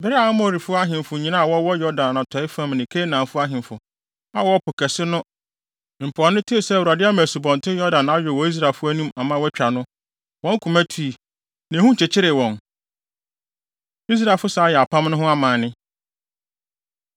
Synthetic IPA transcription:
bɪ˨˦ɾɪ˦a˨˦ʊ˦mɔ̃˦˨ɾi˨fʊ˦a˦ɦɪ̃˨mfʊ˨ɲĩ˨nã˦˨wɔ˦wɔ˦jɔ˦dã˨n˨ã˨tʰɔ˨ɪ˦fã˦˨m˨nɪ̃˨kʰe˦nãː˨fʊ˦a˦ɦɪ̃˨mfʊ˨ | a˦wɔ˦pʰʊ˨kʰɛ˨sɪ˦nʊ̃˦˨ | m̩˨pʰʊ˨a˨nʊ̃˦tʰu˦˨sɛ˦˨u˨ɾa˨dɪ˦a˦mã˨su˨bɔ̃˨n˨tʰɪ˦jɔ˦dã˨na˦ɥɔ˨wɔ˦i˦s̬ɾa˨fʊ˦æ˦nũ˦ma˨mã˦wɛ˦t͡ɕᶣa˨nʊ̃˦ | wɔ̃˦ŋ˦kʰu˨mæ˦tʰu˨˦i˨ | nɛ̃˨hũ˦t͡ɕʰɛ˨t͡ɕʰɪ˦ɾɪ˨wɔ̃˨n | i˦s̬ɾa˨lfʊ˦saː˨˦jɛ˨a˨pʰã˦mnʊ̃˦ɦʊ̃˦a˦mãː˨nɪ̃˦

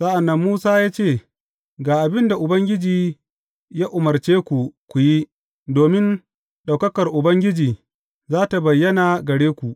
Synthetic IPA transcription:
sa˦ʔa˨nːɐ˦mːuː˦saː˦jaː˦t͡ʃeː˦˨ | ɡaː˨ʔa˨bɪ˦nda˨ʔʊ˨bɐ˦ŋɡʲɪ˦d͡ʒiː˨ | jaː˦ʔʊ˨mɐ˨rt͡ʃeː˦kʷu˨kʷu˨ji˦ | doː˨mɪ˦n | ɗa˨kɐ˦kɐ˨rʔʊ˨bɐ˦ŋɡʲɪ˦d͡ʒiː˨ | zaː˦ta˨bɐ˨jːɐ˦na˨ɡɐ˨ɽeː˦kʷu˨ʔ

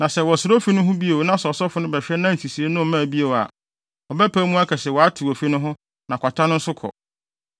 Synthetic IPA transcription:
nã˨sɛ˨wɔ˨sʊ˨ɾo˦fi˦nʊ̃˦ɦʊ̃˦bi˦e˨wo˨nã˦sɔ˨sɔ˦fʊ˦nʊ̃˦bɛ˨fᶣɛ˦nã˦n̩˨tʰi˨si˨e˦nʊ̃˦˨mã˦˨bi˦e˨wo˨a̰˨ | ɔ˨bɛ˦pʰæː˦mũ˦a˦kʰɛ˨sɛ˨wɔ˨a˦tʰu˨o˨fi˦nʊ̃˦ɦʊ̃˦ | nã˨kʰʷa˨tʰã˦nʊ̃˦n̩˦sʊ˦kʰɔ̰˨

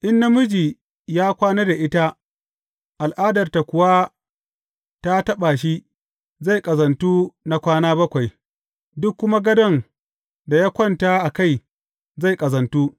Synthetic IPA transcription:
ʔɪ˦nːa˦mʊ˦d͡ʒiː˨ | jaː˦kʷaː˦neː˦da˨ʔɪ˦ta˦ | ʔa˨lʔaː˦dɐ˨rta˨kʷʊ˨wa˦ | ta˦tɐ˦ɓa˨ʃ̬i˦ | za˦˨jkʼɐ˨zɐ˨ntuː˦na˨kʷaː˦naː˦bɐ˦kʷa˨j | dʊ˦kːʊ˦ma˦ɡɐ˦dɐ˦n | da˨ja˦kʷɔ˦˨ntaː˦ʔa˨ka˦˨j | za˦˨jkʼɐ˨zɐ˨ntuː˦

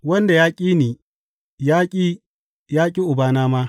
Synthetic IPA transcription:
wɐ˦nda˨jaː˦kʲʼiː˦niː˨ | jaː˦kʲʼiː˦ | jaː˦kʲʼi˦ʔʊ˨baː˦˨naː˦ma˦

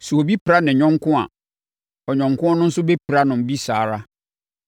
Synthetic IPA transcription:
su˨o˨bi˦pɾa˦nɪ̃˨ɲᶣɔ̃˦ŋkʰʊ̃˦a̰˨ | ɔ˨ɲɔ̃˨ŋkʰʊ̃˦a˦nʊ̃˦n̩˦sʊ˦bɛ˦pʰɾa˦nʊ̃˨m̩˨bi˦saː˨ɾa˦

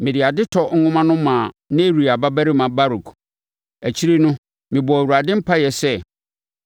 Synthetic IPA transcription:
mɪ̃˨dɪ˨a˨dɪ˦tʰɔ˨ŋ̩˦ŋʊ̃˦mã˦nʊ̃˦mã˨ | nã˦e˦ɾi˨a˨ba˦bæ˦ɾɪ˦mã˨ba˦ɾu˨kʰ | æ˨t͡ɕʰi˦ɾi˦nʊ̃˦ | mɪ̃˨bɔ˨æ˨wu˨ɾa˨dɪ̃˦m̩˦pʰa˦jɛ˨sɛ˦

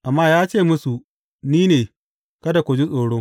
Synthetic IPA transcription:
ʔa˨mːaː˦jaː˦t͡ʃeː˦˨mʊ˦su˨ | niː˦neː˨ | kɐ˦da˨kʷʊ˨d͡ʒi˦sʼoː˨ɽo˦

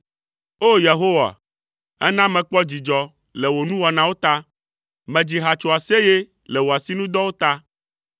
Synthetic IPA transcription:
o˦je˨ɦo˦wa̰˨ | ɛ̰˦nã˦mɛ̃˨k͡pɔ˦d͡ʑi˨d͡ʒɔ˦ | lɛ˨wo˨nũ˦wɔ˨nã˦wo˦t̪a˦ | mɛ̃˨d͡ʑi˨ɦa˨t͡ʃo˨a˨se˦je˦ | lɛ˨wo˨a˨si˦nũ˦d̪ɔ˦wo˦t̪a˦

